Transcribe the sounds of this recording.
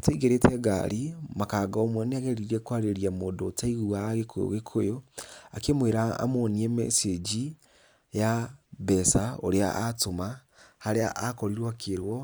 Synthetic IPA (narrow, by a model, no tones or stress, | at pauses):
atwiɡeɾetʰɛɡa̰ɾimakaːɡaɔomwɛneaɣɛɾiɾɛkwaɾeɾiamoːndotaiɣuaɣekʰo̰jo̰ɣekʰojoakemweɾaa̰moniɛmɛ̰sed͡ʒi | jabɛsaoɾea̰ʔatoma | haɾea̰ʔakɔɾiɾwakʰeɾwɔ